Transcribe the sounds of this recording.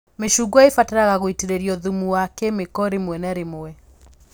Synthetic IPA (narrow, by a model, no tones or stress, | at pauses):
meʃuɡwaefateɾaɣaɣoiteɾeɾjɔðumuwakɛmekɔɾemwɛnɛɾemoɛ